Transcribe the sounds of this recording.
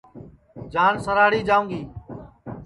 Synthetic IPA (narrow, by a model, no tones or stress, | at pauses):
d͡ʒaːnsəɾaːɽiːd͡ʒaːũːŋɡiː